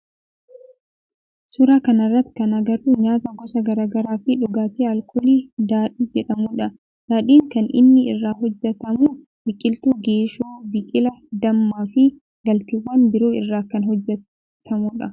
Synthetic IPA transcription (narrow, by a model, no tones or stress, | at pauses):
sʊɾaːkɐnɐrːɐt̪ːɪ̥kɐnɐɡɐɾuːɲaːt̪ɐŋkɔsɐɡɐɾaːɡɐɾaːfɪᶑʊɡaːt̪iɐlkʼɔliːd̪aːᶑiːd͡ʒɛᶑɐmuᶑɐ | d̪̥aːᶑiːŋkɐnɪ̰nːɪɪrːaːɦɔd͡ʒːɛt̪ɐmuː | bɪkʼːɪlt̪uːɡeːʃoːbɪkʼɪlɐd̪ɐmːaːfɪ | ɡɐlt̪ɪwːɐnbɪɾoːɪrːaːkɐnɦɔd͡ʒːɛ | t̪ʰɐmuᶑɐ